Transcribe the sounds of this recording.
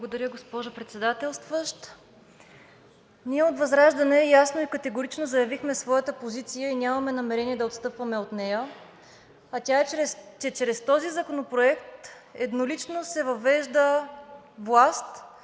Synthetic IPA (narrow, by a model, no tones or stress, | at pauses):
blˠɡod̪ɐɾʲəɡospɔʒopɾɛt̪sɛd̪at̪ɛlˠst̪vəʃt̪ | niɛot̪vɐzɾaʒd̪ɐnɛːjasnoikət̪ɛɡoɾit͡ʃnozɐjɐvixmɛsvɔjət̪əpozit̪sijəinʲamɐmɛnɐmɛɾɛniɛd̪ɐot̪st̪ɤpvɐmɛot̪nɛjə | ɐtʲaɛɾɛst͡ʃɛt͡ʃɾɛst̪ɔzizɐkonopɾoɛkt̪ | ɛd̪nolit͡ʃnosɛvɐvɛʒd̪ə | vlˠast̪